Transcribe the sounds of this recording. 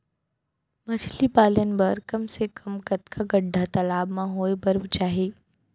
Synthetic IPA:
mɐt͡ʃʰlibaːlənbɐɾkɐmsekʰɐmkɐt̪kʰaɡɐɖʱat̪ɐlaːbmãɦoːebɐɾbt͡ʃaːɦiː

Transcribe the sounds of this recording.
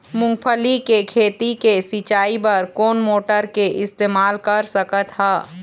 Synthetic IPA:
mʊ̃ŋɡ̚pʰəlikekʰeːt̪ikesit͡ʃaːipɐɾkoːnmoːʈəɾkeʔɪst̪eːmaːlkəɾsəkət̪ɦɛː

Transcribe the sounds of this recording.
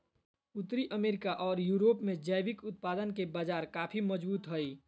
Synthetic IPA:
ʊt̪ːɾiʔəmeːɾɪkaʔɔːɾjuːɾoːpmẽd͡ʒəjbɪkʊt̪̚paːd̪ənkebaːd͡ʒaːɾkaːpʰiməd͡ʒbuːt̪ɦəj

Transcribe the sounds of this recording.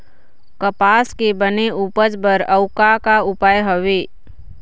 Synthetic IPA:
kəpaːskebəneuːpəd͡ʒbəɾəʊkakaʊpaːjɦəʋeː

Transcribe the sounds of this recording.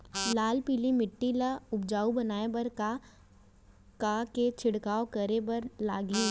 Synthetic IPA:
laːlpiːlimɪʈːilaʊbd͡ʒaːubɐnaːebɐɾka | kaket͡ʃʰɪɽkaːokɐɾebɐɾla̰ːɡi

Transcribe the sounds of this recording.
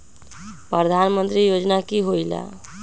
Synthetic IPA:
pɾəd̪ʱanmənt̪ɾijod͡ʒnakiɦojla̰

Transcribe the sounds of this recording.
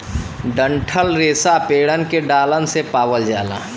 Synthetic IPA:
ɖə̃ɳʈʰəlɾeːsapeːɽənkeɖaːlənsepaːwəld͡ʒaːlã̰ː

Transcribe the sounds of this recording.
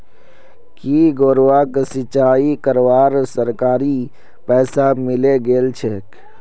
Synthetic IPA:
kiːɡoːɾʋaksɪt͡ʃaːikəɾʋaːɾsəɾkaːɾi | pɛːsamɪleɡeːlt͡ʃʰek

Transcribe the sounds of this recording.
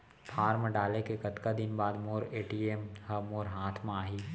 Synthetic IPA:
pʰaːɾməɖaːlekekɐt̪kad̪ɪnbaːd̪moːɾeːʈiːemhɐmoːɾɦaːt̪ʰmaːɦiː

